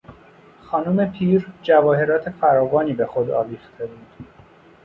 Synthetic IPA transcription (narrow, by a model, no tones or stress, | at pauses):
xɒːnume̞pʰiːɾd͡ʒævɒːhe̞ɾɒːt̪ʰe̞fæɾɒːvɒːniːbe̞xod̪ɒ̰ːviːxt̪ʰe̞buːd̪̥